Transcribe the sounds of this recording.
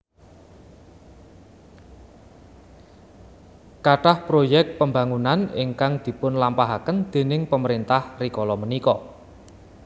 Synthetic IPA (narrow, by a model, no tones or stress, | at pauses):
kaʈahpɾojɛk̚t̪̚pəmba̤ŋunanɪŋkaŋd̪̥i̤pʊnlampaɦakənd̪̥e̤nɪŋpəməɾint̪ahrikɔlɔmənikɔ